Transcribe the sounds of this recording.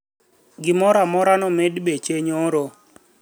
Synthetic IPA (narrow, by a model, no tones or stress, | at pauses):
ɡɪmɔɾamɔɾanɔmedbet͡ʃeɲoɾo